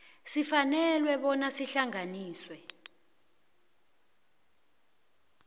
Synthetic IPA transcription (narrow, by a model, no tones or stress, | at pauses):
sifanɛlwɛɓɔnasiɬaŋaniːswɛ